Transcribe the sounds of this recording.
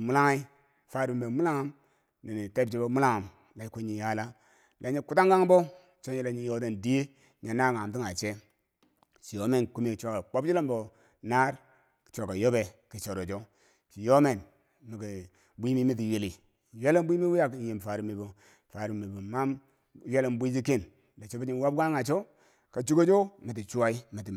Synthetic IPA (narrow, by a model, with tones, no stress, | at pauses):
mu˦la˦ŋa˦i˦ | fa˨ɾbe˨mu˦la˦ŋa˦m | ni˨ni˨te˦bd͡ʒi˦bo˦mu˦la˦ŋa˨m | la˨˦ko˦ɲi˨ja˦la˦ | lʔa˨˦ɲi˦ku˦ta˦ŋɡa˦ŋ˦bo˦ | t͡ʃo˦n˦i˦la˨ɲi˦jo˦te˦˨ndi˦e˦ | ɲa˨na˦˨ŋa˨m˨ti˦ŋa˨t͡ʃe˦ | ʃi˨jo˦me˦˨nku˦mi˨kt͡ʃʷo˨ka˨k͡po˦bi˦lo˦mbo˨ | na˦ɾ | kt͡ʃʷo˨ka˨jo˦be˨ki˨t͡ʃo˨ɾo˨d͡ʒo˦ | t͡ʃi˨jo˦me˨n | mi˨ki˨ | bʷi˦mi˦mi˦t̬i˨ji˨li˨ | je˦le˦m˦bʷi˦mi˦wi˦ja˨kji˨m˨fa˨ɾi˨mi˨bo˨ | fa˨ɾi˨mi˨bu˨ma˦m˦ | je˦le˨mbʷi˦d͡ʒi˦ki˦˨n | la˨t͡ʃo˦bi˦d͡ʒi˦n˦wa˦b̚ɡa˦ŋa˨t͡ʃo˦ | ka˨t͡ʃu˦ɡo˦d͡ʒo˦mi˨t̬i˨t͡ʃu˦wa˦i˦mi˨ti˨